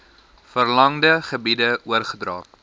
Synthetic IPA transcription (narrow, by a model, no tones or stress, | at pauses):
fərlɐŋdəχəbidəuərχədrɑ̰ː